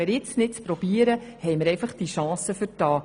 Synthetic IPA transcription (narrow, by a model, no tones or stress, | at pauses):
əɾjɪt͡snɪt̚t͡spɾɔb̥iəɾəhɛjməɾɛjfɑχd̥iʃɑ̃ːsəfɨɾtɑː